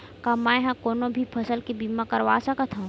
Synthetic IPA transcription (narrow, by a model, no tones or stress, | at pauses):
kamajɦãkoːnõbʱipʰɐsəlkebiːmãkɐɾʋaːsɐkɐt̪ʰɐ̃